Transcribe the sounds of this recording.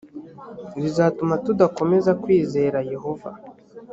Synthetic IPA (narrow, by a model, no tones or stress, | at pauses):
dizaːtumatudako̞me̞zakwiːze̞ːɾaje̞ho̞va̰